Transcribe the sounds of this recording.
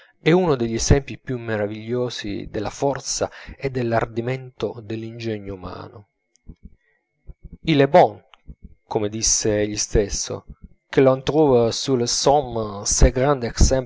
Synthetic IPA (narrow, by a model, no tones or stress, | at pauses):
ɛunod̪eʎːesɛmpipjumːeɾaviʎːoːsḭd̪elːafɔrt̪saed̪ːelːard̪iment̪od̪elːind͡ʒɛɲːouma̰ːno | ilebɔn | komed̪isːeʎːist̪esːo̰ | k̟elont̪ɾuːvasulesɔmseɡɾand̪eksɛm